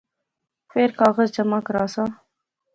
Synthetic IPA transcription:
feɾkɑɣazd͡ʒamakɾɑsa

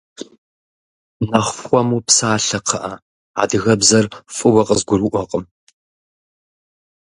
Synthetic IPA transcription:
nɐχʷxʷɔmuːpsaːɬɐqʰɐʔɐ | a̰ːdɨɣɐbzɐrfʼɨwɐqʼəzɡʷʊɾuʔʷɔqʼəm

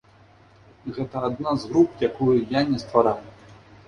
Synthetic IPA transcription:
ɣɛt̪ɐːd̪nazɣɾupjakujujanʲɛst̪vaɾaw

